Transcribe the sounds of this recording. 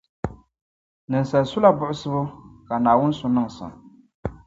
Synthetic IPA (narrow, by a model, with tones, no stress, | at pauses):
nɨ˨nsa˨lsʊ˦la˦bʊ˦ʔʊ˦sɨ˦bʊ˦ka˨naː˨wʊ˦n˦sʊ˨nɨ˦ŋ˨sɨ̰˨m